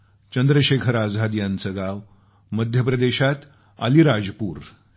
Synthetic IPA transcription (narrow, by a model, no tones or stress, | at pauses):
t͡ɕənd̪ɾəɕekʰəɾad͡zɦad̪jant͡səɡaʋ | məd̪ʱjəpɾəd̪eɕat̪ | a̰liɾad͡zpuːɾ